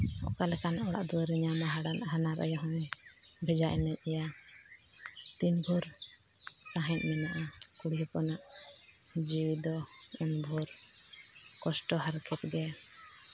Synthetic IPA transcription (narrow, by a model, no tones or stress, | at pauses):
ɔ̰ʔkalɛkanaʔɔɽa̰ʔd̪uwaɾiɲamaɦaɽanaɦanaɾʔa̰jɔɦɔ̃ɲ | bʱɛd͡ʒaʔɛnɛɲ̚ˀɛja | t̪inbʱuɾ | saɦɛ̃ɲ̚mɛnaʔa | kuɽijɔpɔnaʔ | d͡ʒiwid̪ɔ | unbʱuɾ | kɔsʈɔɦaɾkɛt̪̚ɡɛ